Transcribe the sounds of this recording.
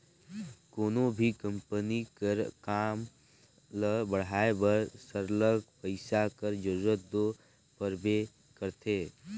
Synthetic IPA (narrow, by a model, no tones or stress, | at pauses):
koːnõbʱikə̃mpənikəɾkaːm | ləbəɽ̤aːebəɾsəɾləɡ̚pəɪsakəɾd͡ʒəɾuːɾət̪̚d̪o | pəɾbe | kəɾt̪ʰeː